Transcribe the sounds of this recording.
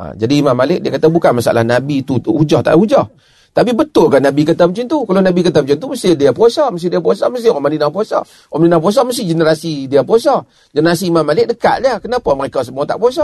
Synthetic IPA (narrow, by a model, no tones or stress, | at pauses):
a̰d͡ʒadiːmamːalɪʔ̚diakat̪abukanmasaa̰la̰hnabit̪uud͡ʒɔht̪a̰ʔud͡ʒɔh | t̪ap̬ibət̪ʊlkahnabikət̪əmt͡ʃɪnt̪ukalonabikət̪amt͡ʃint̪uməsɪdiapuasɔməs̬ɪdiap̬uasɔməs̬ihɔmaninap̬uɔsɔ̰ | ɔmaninap̬uas̬ɔməs̬ɪd͡ʒənəɾasidiapusɔ | d͡ʒənəɾasiːmamːalɪʔ̚dəka̰ʔ̪liakənapaməɾekas̬əmuat̪a̰ʔpuas̬ɔ